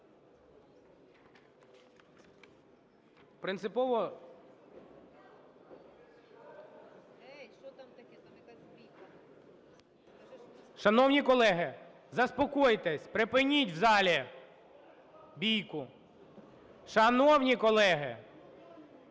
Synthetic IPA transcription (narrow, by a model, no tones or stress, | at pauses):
pɾɪnsɪpɔʋɔ | ʃɐnɔwnʲikɔlˠɛɦɪ | zɐspɔkɔjt̪esʲpɾɪpɪnʲitʲwzɑlʲi | bʲijkʊ | ʃɐnɔwnʲikɔlˠɛɦɪ